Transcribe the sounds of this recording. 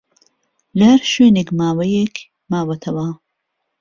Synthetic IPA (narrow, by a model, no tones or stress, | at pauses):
lɐhɐɾʃɥeːnekmaːwɐjek | maːwɐt̪ʰɐwɐ